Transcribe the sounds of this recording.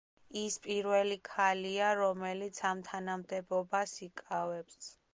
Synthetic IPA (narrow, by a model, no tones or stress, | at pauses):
ispʼiɾvɛlikʰaliaɾɔmɛlit̪sʰamt̪ʰanamd̪ɛbɔbasikʼavɛps